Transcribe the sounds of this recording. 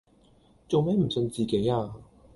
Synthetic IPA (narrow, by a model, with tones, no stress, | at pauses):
t͡so˨wmɛː˨˥m̩˨˩sɵ˧nt͡siː˨ke˨˥jaː˧